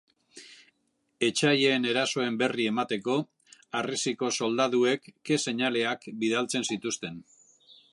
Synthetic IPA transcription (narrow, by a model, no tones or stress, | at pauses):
e̞t͡ʃajeːne̞ɾaso̞e̞mbe̞rie̞mat̪e̞ko̞ | arisiko̞so̞ld̪aðue̞kːe̞se̞ɲale̞akbiðalt͡se̞nsit̪ust̪e̞n